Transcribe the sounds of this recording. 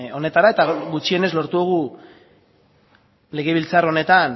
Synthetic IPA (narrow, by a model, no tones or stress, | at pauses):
o̞ne̞t̪aɾae̞t̪aɣut͡ʃie̞ne̞zlo̞ɾt̪uðuɣ̞u | le̞ɣe̞β̞ilt͡saro̞ne̞t̪an